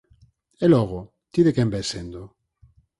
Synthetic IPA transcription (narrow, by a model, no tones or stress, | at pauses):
eloɣo | t̪iðekembesend̪o